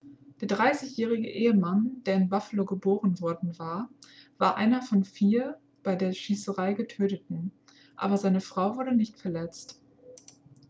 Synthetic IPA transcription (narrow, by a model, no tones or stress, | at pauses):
d̥eːɐdʁaɪsɪçjɛːʁ̞ɪɡə̰ʔeːəmand̥eːɐɪnbafəloɡəboːʁənvɔɐdn̩vaːɐv̥aːɐʔaɪnɐfɔnfiːɐ | b̥aɪdeːɐʃiːsəʁaɪɡətʰøːtətn̩ | ʔa̰ːbɐzaɪnəfʁ̥aʊvʊɐdənɪçtfɛɐlɛt͡st